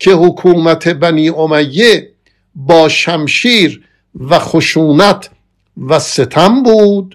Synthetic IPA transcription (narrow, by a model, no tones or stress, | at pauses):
cʰe̞hokʰuːmæt̪ʰe̞bæniːʔomæjːe | bɒːʃæmʃiːɾ | væxoʃuːnæt̪ʰ | væse̞t̪ʰæmbuːd̪̥